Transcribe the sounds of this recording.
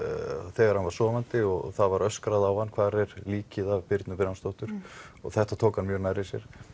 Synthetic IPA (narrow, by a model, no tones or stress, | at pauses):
θɛːɣaɾhanvaɾ̥sɔːvant̪ɪɔɣ̰θaðvaɾœskɾaðawhanːkʰvaːɾɛɾliːcɪðavpɪɾt̪nʏpɪɾanst̪owht̪ʏɾ̥ɔ̰ɣθɛht̪at̪ʰoːwkhanːmjœɾnajɾɪsjɛ̰ɾ̥